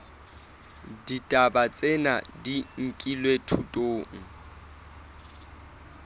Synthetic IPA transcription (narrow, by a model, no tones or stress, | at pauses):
ditʼabat͡sʼɪna̰diŋ̩kʼilwetʰutʼoːŋ̩